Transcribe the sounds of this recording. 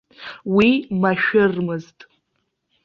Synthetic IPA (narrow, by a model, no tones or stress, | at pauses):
wimaʃᶣʊrmɨztʼ